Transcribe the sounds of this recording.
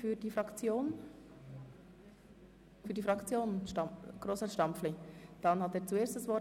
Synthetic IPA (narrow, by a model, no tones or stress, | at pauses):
fyːɾdiːfɾʁɑkt͡sjoːn | fyːɾdifʁɑkt͡sjoːnʃtɑɡ̥ɾoːsəʃtɑmpfled̥ɑnhɑteːɾt͡sueːstəsvɔ